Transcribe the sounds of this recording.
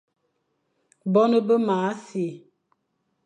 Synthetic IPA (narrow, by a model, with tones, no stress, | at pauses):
bɔ˦nə˦bə˦maː˨˦si˨